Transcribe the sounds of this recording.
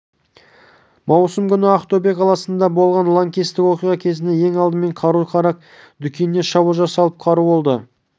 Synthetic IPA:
mɑwsəmkʲʰʏnɪaχt̪obekʰɑlˠɑsənd̪ɑbo̞lˠʁɑnlˠaŋkʲist̪ɪkwo̞qijʁɑkʲʰe̞zɪnd̪ejeŋɑlˠd̪əme̞ɴqʰɑɾujqʰɑɾɑq̚ | d̪ʏkʲennːeʃɑbəlˠʒɑsɑlˠəp̚qʰɑɾubo̞lˠd̪ə

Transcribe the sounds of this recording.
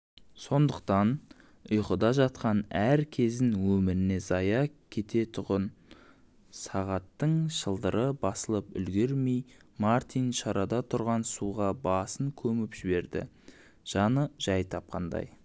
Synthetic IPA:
so̞nd̪əq̚t̪ɑn | ʊjqəd̪ɑʒɑt̪qɑnæɾkʲʰe̞zɪnwɵmɪɾɪne̞zɑjɑkʲʰe̞t̪e̞t̪ʰʊʁən | sɑʁɑt̪ːəɴʃəlˠd̪əɾəbɑsəlˠəpʏ̰lɡʲe̞ɾmejmaɾt̪ʰinʃɑɾɑd̪ɑt̪ʰʊɾʁɑnsuʁɑbɑsəŋkʲʰɵmɪpʒ̥ɪbe̞ɾd̪ɪ̰ | ʒ̥ɑnəʒ̥ɑjt̪ʰɑp̚qɑnd̪ɑ̰j

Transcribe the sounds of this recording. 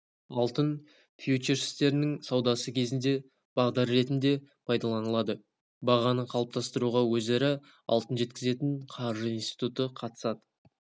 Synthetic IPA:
ɑlˠt̪ən | fjut͡ʃeɾɪ̥st̪e̞ɾɪnɪŋsɑwd̪ɑsəkʲʰe̞zɪnd̪e̞ | b̥ɑʁd̪ɑɾːe̞t̪ɪnd̪e̞pʰɑjd̪ɑlˠɑnəlˠɑd̪ə | bɑʁɑnəqʰɑlˠəp̚t̪ʰɑst̪əɾuʁɑwɵzæɾɪ | ɑ̰lˠt̪ənʒe̞t̪kʲɪze̞t̪ɪɴqʰɑɾʒəijnst̪ijt̪ut̪əqʰɑt̪ə̥sɑd̪ə

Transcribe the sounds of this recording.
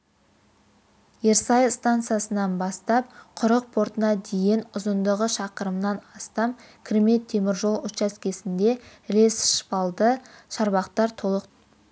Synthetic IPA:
je̞ɾsɑjst̪ant̪sɨjasənɑnbɑst̪ɑp̚qʰʊɾəq̚pʰo̞ɾt̪ənɑd̪e̞jɪnʊzənd̪əʁəʃɑqəɾəmnɑnɑst̪ɑm | kʲʰɾeme̞t̪ʰːe̞mɪɾʒo̞lˠʊt̪ʃɑskʲʰe̞sɪnd̪e̞ɾe̞sʃpɑlˠd̪əʃɑɾbɑqt̪ɑɾt̪ʰo̞lˠəq

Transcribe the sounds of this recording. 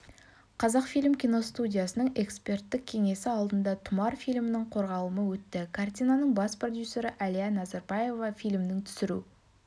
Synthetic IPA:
qʰɑzɑqfijlʲɪmkʲijno̞st̪udʲijasənəɴe̞kspe̞rt̪ːɪk̚ʲʰe̞ŋe̞sɪɑlˠd̪ənd̪ɑt̪ʰʊmɑɾfijlʲmɪnɪɴqʰo̞ɾʁɑlˠəməwɵt̪ːɪkʰart̪ʲijnɑnəɴbɑspro̞d̪jusʲːe̞ɾəʔælijanɑzɑɾbɑje̞vɑfijlʲmd̪ɪŋt̪ʰʏ̥sɪɾṵ

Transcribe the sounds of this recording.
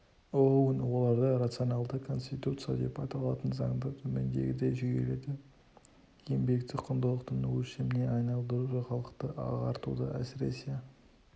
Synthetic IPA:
ownwo̞lˠɑɾd̪ɑɾat̪sɨo̞nɑlˠd̪əkʰo̞nsʲt̪it̪ut̪sɨja̰d̪e̞̰pχɑt̪ɑlˠɑt̪ənzɑ̰ŋd̪ət̪ʰɵmend̪e̞̰ɡʲɪd̪eʒʏɡʲeled̪ɪ | je̞mbe̞kt̪ɪqʰʊnd̪əlˠəqt̪ʰənəwɵsemɪneɑjnɑlˠd̪əɾuʒəχɑlˠəqt̪əʔɑ̰ʁɑ̰ɾt̪ṵd̪əʔæ̰sɪɾe̞̰se

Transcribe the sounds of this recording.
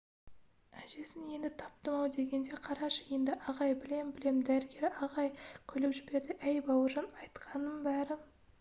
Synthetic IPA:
æʒe̞sɪnje̞nd̪ɪt̪ʰɑ̥p̚t̪əmɑwd̪e̞ɡʲe̞nd̪e̞qʰɑɾɑʃəje̞nd̪ɪʔɑʁɑjbɪle̞mbɪle̞md̪æɾɪɡʲe̞ɾɑʁɑjkʲʰʏlepʒɪbe̞ɾd̪ɪʔæjbɑwəʒɑnɑjt̪qʰɑnəmbæɾɪ

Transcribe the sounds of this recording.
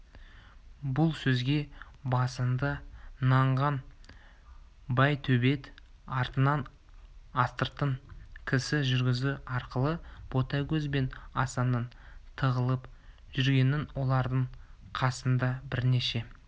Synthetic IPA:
bʊlˠsɵzɡʲe̞bɑsənd̪ənɑɴʁɑn | bɑjt̪ʰɵbe̞t̪ | ɑɾt̪ənɑn | ɑst̪əɾt̪əɴkʲʰɪsɪʒʏɾɡʲɪzuɑɾqəlˠəb̥o̞t̪ɑkʲɵzbe̞nɑsɑnən | t̪ʰəʁəlˠəp | ʒʏɾɡʲe̞nɪnwo̞lˠɑɾd̪əɴqʰɑsənd̪ɑbɪɾne̞ʃe̞

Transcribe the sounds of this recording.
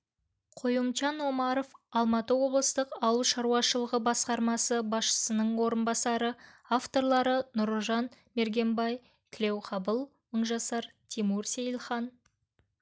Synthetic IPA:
qʰojəmt͡ʃɑno̞mɑɾofɑlˠmɑt̪əwo̞blˠəst̪əqɑwlˠʃɑɾuɑʃəlˠəʁəbɑsqɑɾmɑsəbɑsʃə̥sənəɴwo̞ɾənbɑsɑɾə | aft̪o̞ɾlˠɑɾənʊɾˠʒɑn | me̞ɾɡʲe̞mbɑj | t̪ʲʰɪle̞wqʰɑbəlˠ | əɴʒɑsɑɾt̪ʲʰimuɾsejlˠχɑn

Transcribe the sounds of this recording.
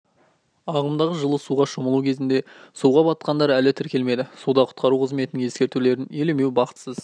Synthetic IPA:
ɑʁəmd̪ɑʁəʒəlˠəsuʁɑʃʊməlˠuwkʲʰe̞zɪnd̪e̞suʁɑbɑt̪̚qɑnd̪ɑɾælɪt̪ʰɪɾkʲe̞lme̞d̪ɪsud̪ɑqʰʊ̥t̪̚qɑɾuqʰəzme̞t̪ɪnɪŋje̞skʲe̞ɾt̪ule̞ɾɪneleme̞wbɑqət̪səz̥

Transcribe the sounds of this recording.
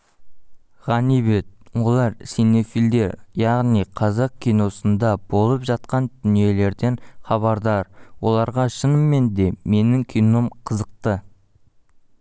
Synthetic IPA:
ʁɑnibe̞t̪̚wo̞lˠɑɾsino̞fild̪e̞ɾjɑʁnijqʰɑzɑq̚kʲʰijno̞sənd̪ɑb̥o̞lˠəpʒɑt̪̚qɑnd̪ʏnije̞le̞ɾd̪e̞ɴχɑβɑɾd̪ɑɾwo̞lˠɑɾʁɑʃənəmːe̞nd̪e̞me̞nɪŋkʲʰijno̞mqʰəzəq̚t̪ə

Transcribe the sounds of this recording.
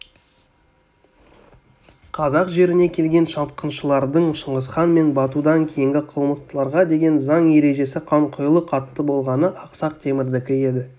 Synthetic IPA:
qʰɑzɑqʒe̞ɾɪne̞kʲʰe̞lɡʲe̞nʃɑp̚qənʃəlˠɑɾd̪əɴʃəɴʁəsχɑnme̞nbɑt̪ud̪ɑŋkʲʰejɪŋɡʲɪqʰəlˠməst̪əlˠɑɾʁɑd̪e̞ɡʲe̞nzɑɴje̞ɾe̞ʒe̞sɪqʰɑɴqʰʊjlˠəqʰɑt̪ːəbo̞lˠʁɑnəʔɑqsɑq̚t̪ʰe̞mɪɾd̪ɪkʲɪe̞d̪ɪ

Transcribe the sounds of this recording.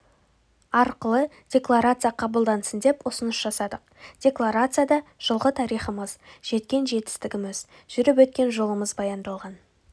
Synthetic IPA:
ɑɾqəlˠə | d̥ʲe̞klˠaɾat̪sɨjaqʰɑbəlˠd̪ɑnsənd̪e̞pʊsənəsʒ̥ɑsɑd̪əqd̥ʲe̞klˠaɾat̪sɨjad̪ɑʒ̥əlˠʁət̪ʰɑɾijχəməzʒ̥e̞t̪kʲe̞nʒe̞t̪ɪ̥st̪ɪɡʲɪmɪz | ʒ̥ʏɾɪp̬wɵt̪̚kʲe̞nʒo̞lˠəməzbɑjɑnd̪ɑlˠʁɑn

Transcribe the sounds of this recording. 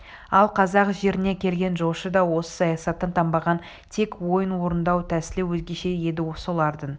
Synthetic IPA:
ɑlˠqʰɑzɑqʒe̞ɾɪne̞kʲʰe̞lɡʲe̞nʒo̞ʃəd̪ɑwo̞sə̥sɑjɑsɑt̪ːənt̪ʰɑmbɑʁɑn | t̪ʰe̞kwo̞jənwo̞ɾənd̪ɑwt̪ʰæsɪlɪwɵzɡʲe̞ʃe̞je̞d̪ɪwosolˠɑɾd̪ən

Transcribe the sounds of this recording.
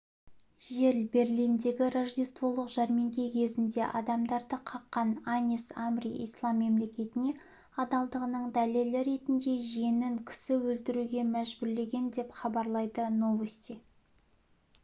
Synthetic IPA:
ʒe̞ɾlbe̞rlijnd̪e̞ɡʲɪɾɑʒd̪ijst̪vo̞lˠəqʒ̥ɑɾmeŋɡʲikʲʰe̞zɪnd̪e̞ʔɑd̪ɑmd̪ɑɾd̪əqʰɑqːɑnɑnʲisamriḭjslˠɑmːe̞mle̞kʲe̞t̪ɪne̞ | ɑd̪ɑlˠd̪əʁənəɴd̪ælelɪɾe̞t̪ɪnd̪e̞ʒenɪŋkʲʰɪ̥sɪwɵlt̪ɪɾuɡʲe̞mæʒbʊɾle̞ɡʲe̞nd̪e̞pχɑbɑɾlˠɑjd̪əno̞vesʲt̪i

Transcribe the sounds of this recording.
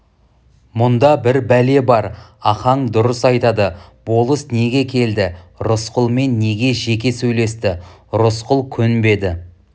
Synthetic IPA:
mʊnd̪ɑbɪɾbæle̞bɑɾɑχɑɴd̪ʊɾəsɑjt̪ɑd̪əb̥o̞lˠəsne̞ɡʲe̞kʲʰe̞ld̪ɪɾʊsqəlˠme̞nːe̞ɡʲe̞ʒe̞kʲe̞sɵjle̞st̪ɪɾʊsqʊlˠkʲʰʏnbe̞d̪ɪ

